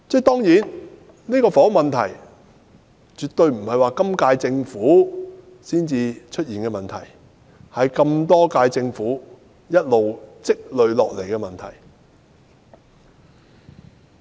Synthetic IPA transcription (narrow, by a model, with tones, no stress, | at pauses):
t͡sɛ˥t̪ɔː˥ŋjiː˨˥n | niː˥kɔː˧fɔː˨˥mɐ˨nt̪ʰɐ˨˩j | t͡ʃyː˨t̪ɵ˧ɥm̩˨˩hɐ˨jwaː˨˧kɐ˥mkaː˧jt͡sɪ˧ŋfuː˨˥ | siː˥nt͡siː˧t͡ʃʰɵ˥t̚jiː˨˩nkɛː˧mɐ˨nt̪ʰɐ̰˨˩j | hɐ˨˧jkɐ˧mt̪ɔː˥kaː˧jt͡sɪ˧ŋfuː˨˥ | jɐ˥t̚lo˨wt͡sɪ˥k̚lɵ˨ɥlɔː˨k̚le˨˩jkɛː˧mɐ˨˩nt̪ʰɐ̰˨˩j